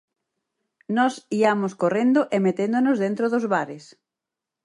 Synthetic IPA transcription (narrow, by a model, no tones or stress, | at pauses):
nɔsiamoskorend̪oʔemet̪end̪onʊzðẽnt̪ɾoðʊzβaɾɪs